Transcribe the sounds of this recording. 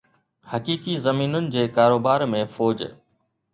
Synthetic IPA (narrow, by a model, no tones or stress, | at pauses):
hɐkiːkizɐmiːnʊnɪ̆d͡ʑeːkaːɾoːbaːɾmẽfoːd͡ʑ̰